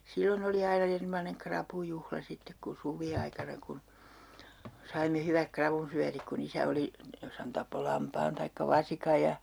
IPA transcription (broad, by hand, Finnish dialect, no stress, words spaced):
silːon oli ɑinɑ ernomɑneŋ krɑpujuhlɑ sitːek ku suʋiɑikɑnɑ kun sɑimːe hyʋæk krɑʋunsyætik kun isæ oli jos hæn tɑpːo lɑmpɑːn tɑikːɑ ʋɑsikɑ jɑ